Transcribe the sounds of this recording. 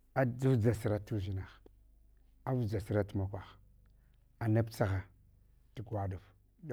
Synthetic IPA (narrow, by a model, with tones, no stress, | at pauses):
a˦d͡zu˦vd͡za˨si˦ɾa˦tu˦ʒi˦na˨x | a˦vd͡za˨si˦ɾa˦tu˦ma˨kʷa˨x | a˨na˦pt͡sa˦ɣa˨ | ti˨ɡʷa˦du˨v